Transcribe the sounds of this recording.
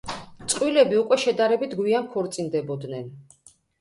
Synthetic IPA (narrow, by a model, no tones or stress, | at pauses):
t̪sʼqʼwilɛbiukʼwɛʃɛd̪aɾɛbit̪ʰɡwiankʰɔɾt̪sʼind̪ɛbɔd̪nɛn